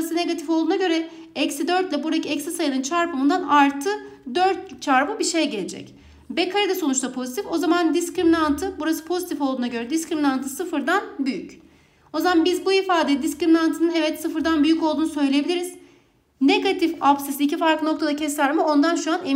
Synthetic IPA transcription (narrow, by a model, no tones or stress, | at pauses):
sɯne̞ɡat̪ʰifolˠd̪uːnaɟø̞ɾɛ | ɛcsid̪ø̞ɾt̪lʲɛbuɾacʰiɛcsisajɯnɯnt͡ʃʰaɾpʰamund̪anaɾt̪ʰɯd̪øɾt̪̚t͡ʃʰaɾpɯbiʃejɟelʲed͡ʒɛ̰c | bɛkʰaɾid̪ɛso̞nut͡ʃt̪ʰapʰo̞zit̪ʰifo̞zamand̪iscɾiminant̪ʰɯbuɾasɯ̥pʰo̞zit̪ʰifo̞lˠd̪uːnaɟø̞ɾɛd̪iskɾiminant̪ʰɯsɯfɯɾd̪anbyjyc | o̞zamanbizbuifaːd̪ɛd̪iscɾiminant̪ʰɯnɯnɦevɛt̪sɯfɯɾd̪anbyjycolˠd̪uːnusø̞jlʲeebilʲiɾiz̥ | neɡat̪ʰifapsisiːcifaɾklˠɯnok̚t̪ʰad̪acʰɛsæɾmɛo̞nd̪anʃuane